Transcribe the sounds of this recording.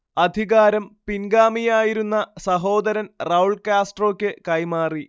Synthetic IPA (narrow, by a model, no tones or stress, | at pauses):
ɐd̪ʱiɣaːɾɐmpinɡaːmijaːjiɾunːɐsɐɦo̞ːd̪ɐɾɐnrɐwɭkaːsʈro̞ːkʲːɨkɐjmaːri